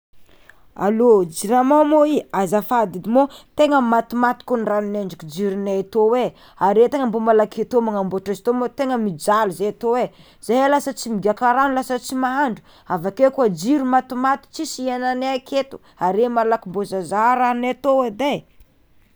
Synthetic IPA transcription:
a̰lod͡ʒiɾamamoiazafad̪id̪imot̪eŋəmat̪umat̪i̥kunranineɳɖ͡ʐikud͡ʒiɾinaat̪owe | aɾet̪eŋambomalaket̪omaŋamboʈ͡ʂazi̥t̪omot̪eŋəmid͡ʒaluzajat̪owe | z̥ajlasət͡simiɡʲakaɾanulasət͡simaaɳɖ͡ʐu̥ | avakekuad͡ʒiɾumat̪umat̪i̥t͡sisiananeakʰet̪u̥ | aɾemalakimbozazaɾannat̪owed̪aj

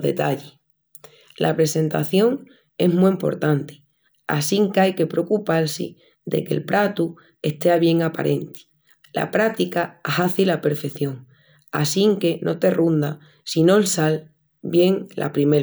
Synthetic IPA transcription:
ðe̞̰t̪aʎe | lʔa̰pɾe̞se̞nt̪a̰θjo̞ŋ | e̞ɦmuimpo̞̰ɾt̪ant̪i̥ | a̰siŋkajke̞pɾo̞kupalsḭ | d̪e̞̰ke̞̰lpɾat̪u | e̞ht̪e̞aβ̞je̞ŋapa̰ɾʔe̞nt̪i̥ | la̰pɾat̪ikahaθilape̞ɾfe̞θjo̞ŋ | a̰siŋke̞nʔo̞t̪e̞rund̪a | sino̞elsal | bje̞ŋlʔa̰pɾime

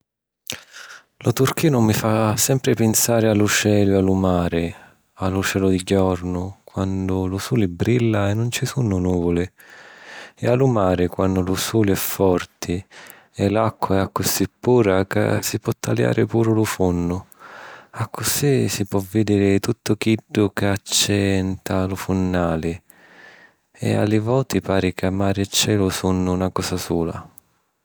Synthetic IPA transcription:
lʊt̪urk̟ʰiːnʊmifasɛmpɾɪpɪnsaːɾɪalut͡ʃɛːlʊalumaːɾɪ | alːʊt͡ʃɛːlʊd̪iɟɔrnʊkwand̪ʊlʊsuːlɪbɾilːaɛnːʊnt͡ʃɪsunːʊnuːvʊlɪ | ɛalumaːɾɪkwanːʊlusuːliɛfːɔrt̪ʰɪ | ɛlakːwaɛakːʊsipːuːɾaka̰sipwɔt̪ʰːalja̰ːɾʔɪpuːɾʊlʊfunːʊ | akʰːʊsisipwɔvːɪd̪iːɾɪt̪ut̪ːʊkiɖːʊkat͡ʃːɛnt̪ʰalʊfunːaːlɪ | ɛ̰a̰lːɪvɔːt̪ɪpaːɾɪkamːaːɾɪt͡ʃːɛːlʊsunːʊːnakɔːsasuːla̰

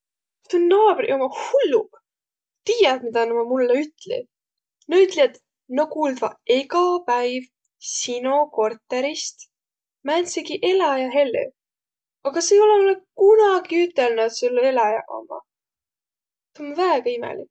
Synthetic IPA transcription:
t̪unːɑbrʔomɑhulːu | t̪iːjɑt̪mid̪ɑnomɑmulːeyt̪lḭ | noyt̪liɑt̪ | nokuːld̪vɑeɡɑpæjv | sinoko̞rt̪ːˑeɾist̪ | mænseɡiʔe̞lɑjɑɦe̞lːḛ | ɑɡ̥ɑsejo̞lemulːekunɑɡ̥iyt̪ːˑelnut̪sulːelɑjɑ̰ʔo̰mɑ̰ | t̪onvæːɡ̥ɑimḛlḭk

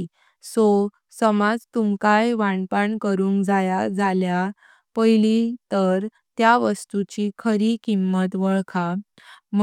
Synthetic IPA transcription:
so | səmad͡zt̪umkajʋaɳpaɳkəɾuːŋkd͡zajad͡zalja | pəjlit̪əɾ | t̪jaʋəst̪ut͡ɕikʰəɾiːkimːət̪ʋəɭkʰa | m

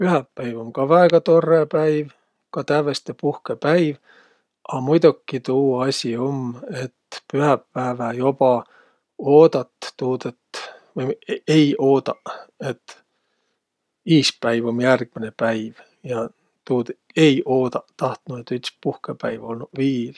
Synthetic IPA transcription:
pyɦæpːæjvo̞mkɑvæeɡ̥ɑt̪o̞rːepæjv | kɑt̪ævest̪epuhkepæjv | ʔɑmujd̪ukːit̪uːɑsʲio̞me̞t̪pyɦæpːæevæjo̞pɑ | oːd̪̥ɑt̪ːuːd̪et̪vɤjejo̞ːd̪̥ɑe̞t̪ː | iːspæjvo̞mjærɡ̥mine̞pæjv | jɑ | t̪uːd̪ | e̞jʔo̞ːd̪ɑt̪ɑht̪nuet̪ːyt̪spuhkepæjvolnuviːl

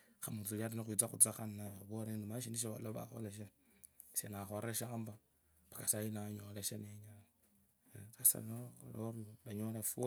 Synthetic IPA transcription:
kamut͡sulaɾinixwit͡saxud͡zaxannaβoɾenimaʃiniʃ̬iβa̰loβa̰xo̰leʃ̬e | senaxoɾʔeʃaːmba | pḁkasajinaɲoleʃeneɲan | asa̰lnoo̰loɾlaɲolef

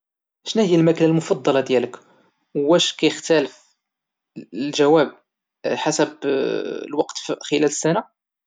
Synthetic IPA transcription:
ʃnæhəjːælmæknælmʊfɑd̪ˤːɑlɑd̪jæləkː | æʃkæjəxt̪æləf | lʒæwæb̚ | ħasəb | lwɑqt̪xəlæləsːæna

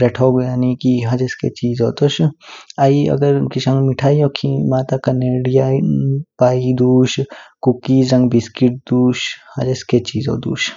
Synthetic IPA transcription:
ɾɛʈʰoːɡjaːnikiɦɐd͡ʒeskḛt͡ʃiːzoːt̪oʃaiɐ̰ɡəɾkisɐ̃ŋɡmiʈʰaːijokʰimaːt̪akɐneːɽijapaːid̪uːʃkukizɐ̃ŋɡbiskiʈ̚d̪uːʃhɐd͡ʒesket͡ʃiːzo̰t̪ṵːʃ

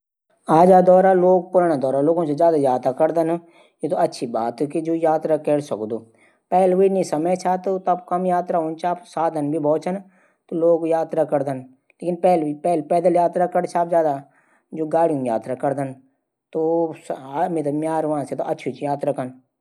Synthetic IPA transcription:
aːd͡ʒaːd̪ɔːɾaloːɡ̚pʊɾaːnad̪ɔːɾaloːɡõsezjaːd̪ajaːt̪ɾakɐɾd̪ən | jet̪oɐtːʃʰibaːt̪kid͡ʒoːjaːt̪ɾakɛɽsɐ̰kd̪oː | pɛːlʋiːnĩsɐməjt͡ʃʰat̪ot̪ɐb̚kɐmjaːt̪ɾaɦʊ̃nt͡ʃaːpsaːd̪ʱənbʱibʱɔːt͡ʃʰən | t̪oloːɡjaːt̪ɾakɐɾd̪ən | leːkɪnpɛːlpɛːlpɛːd̪əljaːt̪ɾakɐɽt͡ʃʰaːpzjaːd̪a | d͡ʒoːɡaːɽijũja̰ːt̪ɾakɐɾd̪ən | t̪osmet̪əmjaːɾʋãːset̪oʔɐtːʃʰit͡ʃjaːt̪ɾakɐn

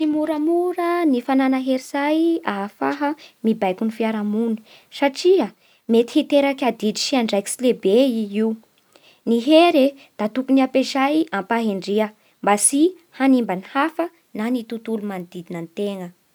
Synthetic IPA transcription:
simuɾəmuɾənifananəɦeɾizajafaɦəmibajkunifiaɾamuni̥ | saʈ͡ʂiə | met̪i̥hit̪eɾakʲad̪idi̥ʃiaɳɖ͡ʐajki̥silebeiiw | niɦeɾe | d̪̥at̪ukuniapezajampaɦeɳɖ͡ʐiə | mbasi | hanimbanihafə | nanit̪ut̪ulumand̪id̪inənit̪eŋə

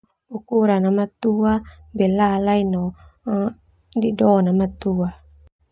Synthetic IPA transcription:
ukuɾanamat̪uabɛlalainɔ | didɔnamat̪ua

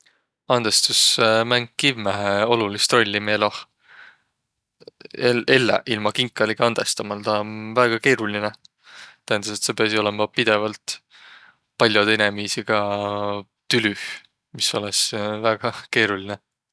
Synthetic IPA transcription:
ɑnd̪̥e̞st̪usmæŋɡ̚ːivmæɦeo̞lulist̪ɾro̞lʲːimelɑh | ee̞lːḛʔilmɑkiŋkːˑɑlikɑnd̪̥e̞st̪ɑmɑlt̪ɑnvæːɡ̥ɑke̞ːɾuline | t̪æhænd̪ɑse̞t̪sepeɑsio̞lemɑpid̪̥e̞vɑlt̪ | pɑlʲjot̪enemiːsiɡ̥ɑ | t̪ylyh | miso̞lesvæːɡ̥ɑke̞ːɾuline

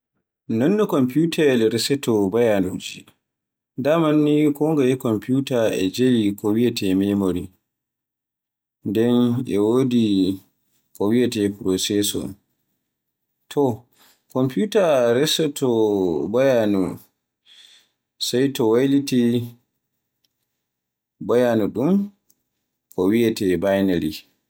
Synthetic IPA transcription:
nɔnːɔkɔmputʰalɾɛsɛtɔbajanud͡ʒi | damanːikɔŋɡajɛkɔmputaɛd͡ʒelikɔwijatʰɛmɛmoɾi | ndɛnʔɛwoːdi | kɔwiatɛpɾɔsɛsɔ̰ | tʰɔ | kɔmpjutaɾɛsɔtʰɔbajanu | sajtɔwajliti | bajanuɗum | kʰɔwiatɛbajnali

